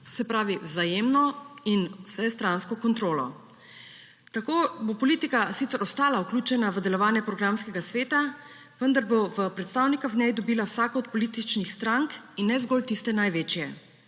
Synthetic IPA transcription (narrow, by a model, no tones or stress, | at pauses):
sɛpɾaːʋiwzajemnɔinwsɛst̪ɾanskɔkɔnt̪ɾoːlɔ̰ | t̪akoːbopɔliːt̪ikasit̪ɛɾɔst̪aːlaukluːt͡ʃɛnaʋəd̪ɛlɔʋaːnjɛpɾɔɡɾamskɛɡasʋeːt̪a | ʋənd̪aɾboʋəpɾɛt̪st̪aːwnikavnɛjd̪ɔbiːlawsaːkɔɔt̪̚pɔliːt̪it͡ʃnixst̪ɾaŋkinːɛzɡɔlt̪ist̪ɛnajʋeːt͡ʃjɛ